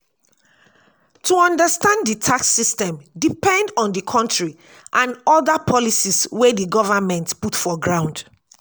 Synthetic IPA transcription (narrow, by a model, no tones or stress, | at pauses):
tuɔ̃ndəstãndditʰaksistɛ̃mdipɛ̃ndɔ̃ndikʰɔ̃ntɹi | ʔãnɔdapʰɔlisiswediɡɔvəmɛ̃ntputfɔɡɹãʊ̃nd